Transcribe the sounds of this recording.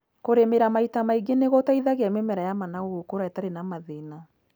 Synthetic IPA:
koɾemeɾamaitamaiɡeneɣɔtaiðaɣeamemɛɾajamanaɣoɣokoɾaɛtaɾenamaðena

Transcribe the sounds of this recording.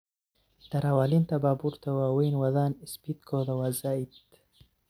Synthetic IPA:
t̪ɐɾawalint̪ɐbabuɾt̪ɐwaːwinwɐd̪aːnispit̪kʰod̪ɐwaːzait̪

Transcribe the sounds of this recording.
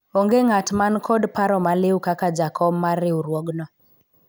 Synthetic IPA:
oŋɡeŋatmankʰɔdpaɾɔmalɪwkakad͡ʒakʰɔmːaɾɪuɾwɔɡnɔ

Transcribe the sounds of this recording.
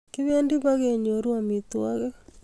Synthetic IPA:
kiβendiβaɣeɲoɾwamitwaɣe

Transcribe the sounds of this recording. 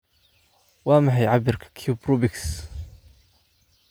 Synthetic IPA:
waːmaħajʕabɪɾkkʰupɾubɪks

